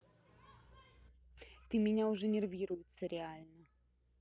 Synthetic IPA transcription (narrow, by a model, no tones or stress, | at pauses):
t̪ɨmʲɛnʲawʐɛnʲɛrvʲiɾʊjut̪sʲɐɾʲɛalʲnɐ